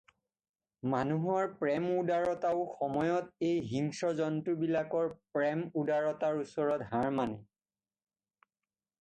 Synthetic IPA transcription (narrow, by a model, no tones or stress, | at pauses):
manuɦɔɹpɹɛmudaɹɔtaʊxɔmɔjɔtejɦiŋsɔzɔntubilakɔɹpɹɛmudaɹɔtaɹusɔɹɔtɦãɹmanɛ